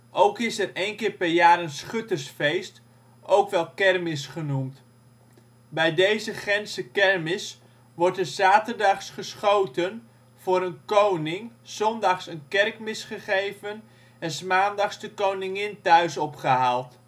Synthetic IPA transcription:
ʔowkɪsɛrejnkɪːɹpɛrjaːɾənsχøtərsfejst | owkʋɛlˠkɛrmɪsχənumt | bɛjdejzəχɛnsəkɛrmɪs | ʋɔɹtəz̥aːtərdɑχsχəsχowtən | v̥ʊːɾənkownɪŋz̥ɔndɑχsənkɛrkmɪsχəχejvən | ɛnsmaːndɑχsdəkownɪŋɪntœɥsɔpχəɦaːlˠt

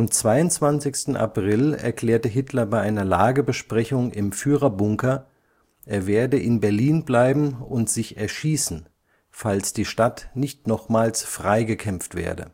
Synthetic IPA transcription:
ʔʔamt͡sv̥aɪʊntt͡sv̥ant͡sɪçstn̩ʔa̰pʁ̥ɪlɛ̰ɐkl̥ɛːɐtəɦɪtʰlɐbaɪʔaɪnɐlaːɡəbəʃpʁ̥ɛçʊŋɪmfyːʁɐbʊŋkɐ | ʔeːɐveːɐdəʔɪnbɛɐliːnblaɪbm̩ʊntz̥ɪçɛɐʃiːsn̩ | falsd̥iːʃtatnɪçtnɔχmaːlsfʁ̥aɪɡəkʰɛmftv̥ḛːɐdə̰

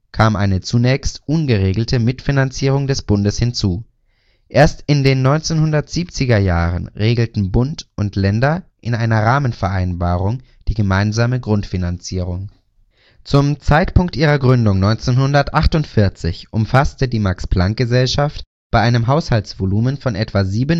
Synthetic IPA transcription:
kʰaːmʔa̰ɪnət͡sunɛːçstʔʊnɡəʁeːɡl̩tʰəmɪtfinant͡siːʁ̞ʊŋdɛsb̥ʊndəshɪnt͡suː | ʔeːɐstɪndeːnːɔʏnt͡seːnhʊndɐtz̥iːp̚t͡sɪɡɐjaːʁ̞ə̰nʁeːɡl̩tn̩bʊntʔʊntʰlɛndɐʔɪnʔaɪnɐʁaːmənfɛɐʔaɪnbaːʁʊŋd̥iːɡəmaɪnzaːməɡʁʊntfinant͡siːʁ̞ʊŋ | t͡sʊmt͡saɪtpʊŋktʔiːʁɐɡʁʏndʊŋnɔʏnt͡seːnhʊndɐtʔaχtʊntfɪɐt͡sɪçʔʊmfastədiːmaksb̥laŋk̚ɡ̥əzɛlʃaft | b̥aɪʔaɪnəmɦaʊshalt͡sv̥oluːmənfɔnʔɛtv̥aziːbən

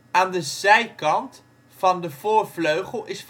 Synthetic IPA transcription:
aːndəzɛjkɑnt | fɑndəv̥ʊːɹvløɥχəlˠɪsf

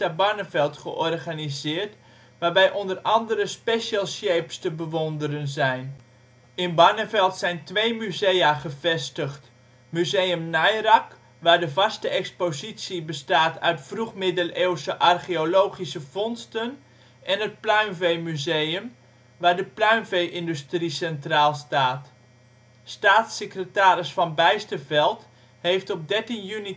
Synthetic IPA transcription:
abɑnəvɛlˠtχə̰ʔɔrχanizɪːrt | ʋaːrbɛjʔɔndərɑndəɾəspeʃalˠsjejpstəbəʋɔndərənzɛjn | ɪnbanəvɛlˠtsɛjntʋejmyzejaχəvɛstəχt | myzejəmnajrɑk | ʋaːɹdəvɑstəɛkspozisibəstaːtœ̰ɥtfruχmɪdəlewsəʔarχiolowχisəfɔnstən | ʔɛnət̚plœɥnvejmyzejəm | ʋaːɹdəplœɥnvejʔɪndystrisɛntraːlˠstaːt | staːtsekrətaːɾɪsfɑnbɛjstəvɛlˠt | hejftɔp̚dɛɹtinjyni

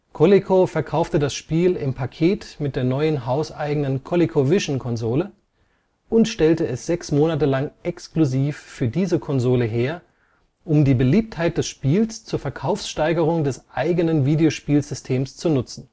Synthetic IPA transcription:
kʰolekʰofɛɐkʰaʊftədasʃpiːlɪmpʰakʰeːtmɪt̚d̥eːɐnɔʏənɦaʊsʔa̰ɪɡŋ̩nənkʰolekʰovɪʃn̩kʰɔnzoːlə | ʊntʃtɛltəɛsz̥ɛksmoːnatəlaŋʔɛkskluziːfːyːɐdiːzəkʰɔnzoːləɦeːɐ | ʔʊmdiːbəliːp̚thaɪt̚d̥ɛsʃpiːlst͡suːɐfɛɐkʰaʊfsʃtaɪɡəʁ̞ʊŋdɛsʔaɪɡənənviːdeoʃpiːlzʏstʰeːmst͡sunʊt͡sn̩

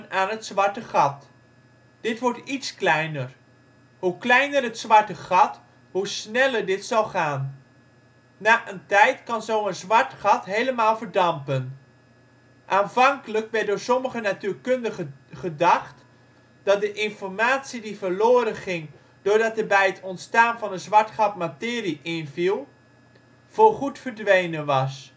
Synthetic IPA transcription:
naːnɦətsʋɑɹtəχɑt | d̥ɪtʋɔɹtitsklɛjnər | huklɛjnərətsʋɑɹtəχɑt | husnɛləɹdɪtsɑlˠχaːn | naːʔəntɛjtkɑnzowənzʋɑɹtχɑtɦejləmaːlˠvəɹdɑmpən | ʔaːnvɑŋkələkʋɛɹt̚dʊːɹsɔməχənatyːɹkɵndəχəχədɑχt | d̥ɑt̚dəʔɪnfɔɹmaːtsidivəɹloːɾənχɪŋ | d̥ʊːɹdɑtəbɛjətʰɔntstaːnvɑnənzʋɑɹtχɑtmatɪːriʔɪnvilˠ | v̥olχutfəɹdʋejnənʋɑs

